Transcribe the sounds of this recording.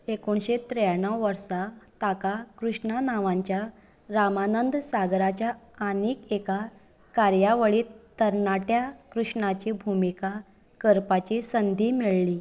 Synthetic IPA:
ekoɳɕet̪ɾejaɳəwʋəɾsat̪akakɾuʂɳanaʋãɲt͡ɕja | ɾamanənd̪saɡɾat͡ɕjaːniːkeka | kaɾjaʋəɭiːt̪əɾɳaʈjakɾuʂɳat͡ɕibʱumika | kəɾpat͡ɕisənd̪ʱiːmiɭliː

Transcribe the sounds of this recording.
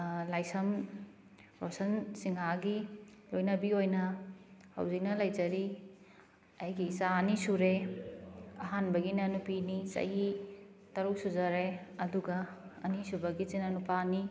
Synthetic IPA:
lajsɐm | ɾosɐnsiŋaɡilojnɐbiojnɐhɐ̰wzik̚nɐlajd͡ʒɐɾi | ɐjɡiːsaɐnisuɾe | ɐɦanbɐɡinɐnupinisɐ̰ɦi | tɐɾuk̚suzɐɾeɐduɡɐɐ̰nisubɐɡit͡ʃinɐnupani

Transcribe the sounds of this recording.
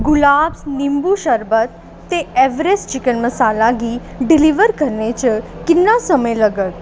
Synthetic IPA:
ɡulaːbsnimbuʃəɾbət̪̚ː | eeʋɾest͡ʃikənməsalaɡi | ɖiliʋəɾkəɾnet͡ʃəkinːasəməjləɡət̪

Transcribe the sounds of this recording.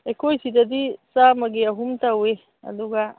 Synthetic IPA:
ekojsid̪ɐd̪isamɐɡeaɦumt̪awwe | a̰luɡa

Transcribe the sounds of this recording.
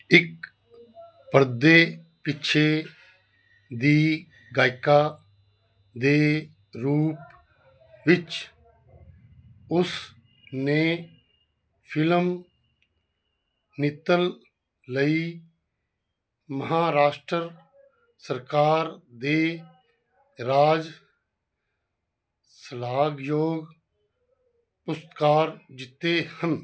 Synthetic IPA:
ɪk | pəɾd̪eː | pɪt͡ʃʰe | d̪iː | ɡaːɪkaː | d̪eː | ɾuːp | ʋɪt͡ʃ | ʊs | ne | pʰɪləm | nɪt̪ːəl | ləi | məɦaːɾaːʃʈɾəɾ | səɾkaːɾd̪eː | ɾaːd͡ʒ | səlaːɡjoːɡ | pʊst̪kaːɾd͡ʒɪt̪ːehən

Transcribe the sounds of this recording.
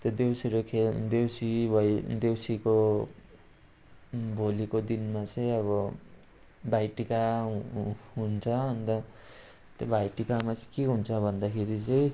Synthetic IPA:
t̪jod̪ewsiɾokʰed̪ewsibʌd̪ewsiko | bʱolikod̪inmat͡sʌĩʌβʌ | bajʈikaɦɦunt͡sʰʌːnt̪ʌ | t̪jobajʈikamat͡sʌjkeɦunt͡sʰʌbʱʌnd̪akʰeɾit͡sʌj̃

